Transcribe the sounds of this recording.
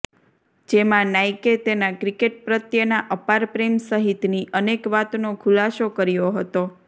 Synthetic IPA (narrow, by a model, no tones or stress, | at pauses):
d͡ʒemãnajket̪enakɾikeʈ̚pɾət̪jənaʔəpaɾpɾemsəɦit̪niʔənekʋat̪nokʰulasokəɾjoɦət̪o